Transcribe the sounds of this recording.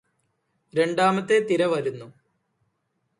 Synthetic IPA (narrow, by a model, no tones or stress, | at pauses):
ɾe̞ɳɖaːmɐt̪ːet̪iɾɐʋɐɾunːu